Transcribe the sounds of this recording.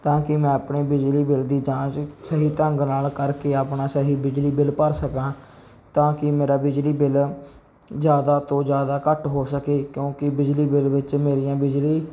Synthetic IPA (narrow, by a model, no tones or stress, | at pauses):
t̪ãːkɪmɛ̃ːəpɳeːbɪd͡ʒliːbɪld̪iːd͡ʒãːt͡ʃsəɦiːʈəŋɡnaːlkəɾkeːaːpnaːsəɦiːbɪd͡ʒliːbɪlpəɾsəkãː | t̪ãːkɪmeːɾaːbɪd͡ʒliːbɪl | zjaːd̪aːt̪õːd͡ʒjaːd̪aːkəʈɦoːsəkeːkjõːkɪbɪd͡ʒliːbɪlʋɪt͡ʃmeːɾijãːbɪd͡ʒliː